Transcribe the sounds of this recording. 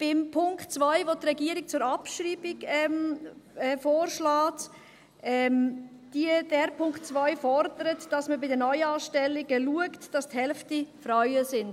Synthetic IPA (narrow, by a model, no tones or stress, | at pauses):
b̥ɪmpʰʊŋktt͡svaɪvotrɛɡiːəɾɪk̚t͡sʊɾɑpʃɾiːbɪɡɛmɛfoːɾʃlaːt | ʔɛm | d̥iədɛɾpʰʊŋktt͡svaɪfɔɾdəɾətd̥ɑsməbɪdənœʏɑːʃtɛlːɪɡəluəktd̥ɑsthɛlftifɾaʏəzɪnd̥